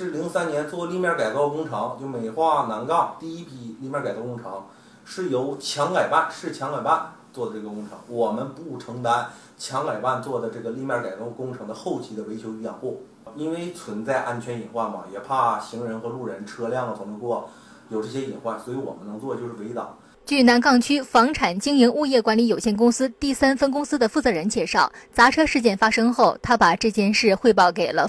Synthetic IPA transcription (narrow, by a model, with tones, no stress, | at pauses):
ʂɻ̩˥˩li˧˥ŋ˧sa˥njɛ˧˥nt͡swɔ˥˧li˥˧mjɑ˥˩ka˨˩ɪkɑ˥˧ʊkʊ˥ŋʈ͡ʂʰɑ˧˥ŋt͡ɕjo˥˩ʊme˨˩ɪxwa˥˩na˧˥nkɑ˥˩ʊt̪i˥˧i˥pʰi˧˥li˥˩˧mjɑ˥ka˨˩k̪ɑ˥˧kʊ˥ŋʈ͡ʂʰɤ˧˥ŋ | ʂɻ̩˥˩jo˧˥ʊt͡ɕʰjɑ˧˥ŋka˨˩ɪpa˥˩nʂɻ̩˥˩t͡ɕʰjɑ˧˥ŋka˨˩ɪpa˥˩n | t͡swɔ˥˩d̪ə˩ʈ͡ʂɤ˥˩ɡə˩kʊ˥ŋʈ͡ʂʰɤ̰˧˥ŋwɔ˨˩mə˦npu˥˩ʈ͡ʂʰɤ˧˥ŋt̪a˧˥n | t͡ɕʰjɑ˧˥ŋka˨˩ɪpa˥˧nt͡swɔ˥˩d̪ə˩ʈ͡ʂɤ˥˩ɡə˩li˥˧mjɑ˥˩ka˨˩ɪkɑ˥˩ʊkʊ˥ŋʈ͡ʂʰɤ˧˥ŋd̪ə˧xo˥˩˧ʊt͡ɕʰi˧˥d̪ə˧we˧˥ɪt͡ɕʰjo˧˥ʊy˥˩jɑ˨˩ŋxwɔ˥˩ | i˥nwe˥˩ɪt͡sʰwə˧˥nt͡sa˥˧ɪʔa˥˩nt͡ɕʰɥɛ˧˥ni˨˩nxwa˥˩mɐ̰˩jɛ˨˩pʰa˥˩ɕi˧˥ŋɻə˧˥nxɤ˧˥lu˥˩ɻə˧˥nʈ͡ʂʰɤ˥ljɑ˥˩ŋə˩t̪ʰʊ˧˥ŋnə˧kwɔ˥˩ | jo˨˩ʊʈ͡ʂɤ˥˩ɕjɛ˥i˨˩nxwa˥˩swɔ˧˥i˧˥wɔ̰˨˩mə˦nɤ˧˥ŋt͡swɔ˥˧t͡ɕjo˥˧ʊʂɻ̩˥˩we˧˥ɪt̪ɑ˨˩˦ | t͡ɕy˥˩na˧˥nkɑ˥˩ŋt͡ɕʰy˥fɑ˧˥ŋʈ͡ʂʰa˨˩nt͡ɕi˥ŋi˧˥ŋu˥˧jɛ˥˩kwa˧˥nli˧˥jo˨˩ʊɕjɛ˥˩nkʊ˥ŋsɹ̩˥t̪i˥˩sa˥nfə˥nkʊ˥ŋsɹ̩˥d̪ə˨fu˥˩t͡sɤ˧˥ɻə˧˥nt͡ɕjɛ˥˧ʂɑ˥˩ʊt͡sa˧˥ʈ͡ʂʰɤ˥ʂɻ̩˥˧t͡ɕjɛ˥˩nfa˥ʂɤ˥ŋxo˥˩ʊt̪ʰa˥pa˨˩ʈ͡ʂɤ˥˩t͡ɕjɛ˥nʂɻ̩˥˧xwe˥˧ɪp̬ɑ˥˩ʊke˨˩ɪlə˦